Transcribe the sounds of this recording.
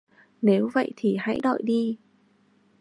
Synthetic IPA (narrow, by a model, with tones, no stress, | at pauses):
ne˨˦wvə̰˧˨jt̪ʰi˨˩ha̰˧˥jɗɔ̰˧˨jɗi˧